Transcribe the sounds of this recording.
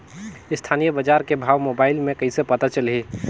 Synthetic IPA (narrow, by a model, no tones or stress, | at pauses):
ɪst̪ʰaːnijəbəd͡ʒaːɾkebʱaːʋmobaːɪlmẽkɐisepɐt̪at͡ʃəlɦiː